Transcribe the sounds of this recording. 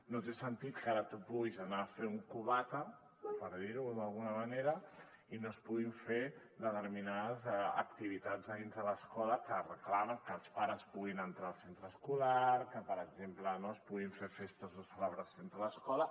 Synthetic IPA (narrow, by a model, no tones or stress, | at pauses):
not̪esənt̪it̪kaɾət̪upuɣizanaːfeuŋkuβat̪ə | pəɾðiɾuðɐlˠɣunəmaneɾə | inospuɣiɱfe | d̪ət̪əɾminaðəzɛə̰k̚t̪iβ̞it̪ad͡zzðəðinzðələskɔləkərəklaməŋkəːlˠspaɾəspuɣinənt̪ɾalˠsent̪ɾəskulaɾkəpəɾəɡzemplənoəspuɣiɱfefest̪əzðəsələβɾəsonzələskɔlə